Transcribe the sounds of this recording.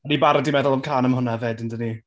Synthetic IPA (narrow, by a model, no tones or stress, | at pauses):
anibaɾadimɛðʊlˠəmkʰaːnəmhʊnaveːdɪndəni